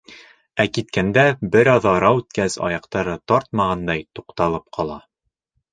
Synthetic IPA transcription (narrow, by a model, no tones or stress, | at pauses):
ækit̪̚kænd̪æbɘɾɒðɑɾɑwʉt̪kæzɒ̰jɑqt̪ɑɾɤt̪ɒɾt̪̚mɑʁɑnd̪ɑjt̪uqt̪ɑlˠɤp̚qʰɒlˠɑ